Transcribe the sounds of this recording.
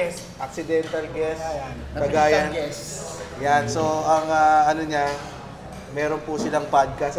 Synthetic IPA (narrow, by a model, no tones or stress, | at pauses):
ɛs | ʔɐk̚sɪd̪ɛnt̪ɐlɡɛs | ɐɡaːjan | janso̞ʔɐŋaʔɐnoɲa | mɛːɾonpusɪlaŋpad̪̚kɐs